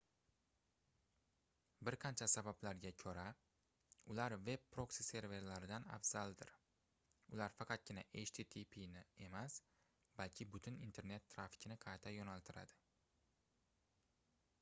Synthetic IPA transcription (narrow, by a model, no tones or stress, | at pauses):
bɪɾqʰɑnt͡ʃʰasabablaɾɡʲakʲʰɵɾa | ʊlaɾve̞bpɾo̞ksise̞ɾve̞ɾlaɾɪd̪ana̰fz̥ald̪ɪɾ | ʊlaɾfɑqʰɑt̪̚ɡʲɪnaʔet͡ʃt̪ʰit̪ʰipʰinɪe̞mas | b̥alkʲʰɪbʊt̪ʰʊnint̪ʰe̞ɾne̞t̪ʰːɾafɪ̥kʲnɪqʰɑjt̪ʰajonalˠt̪ʰɪɾa̰d̪̥ɪ̥